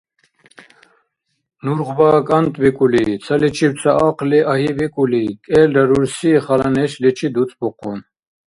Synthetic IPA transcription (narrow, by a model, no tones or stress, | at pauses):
nuɾʁvakʼant̪ʼvikʼulit͡sʰalit͡ʃʰipt͡sʰaaqliʔaɦivikʼulikʼɛld̪aɾuɾsiχalanɛʃlɛt͡ʃʰid̪ut͡sʼbɔqʰʼun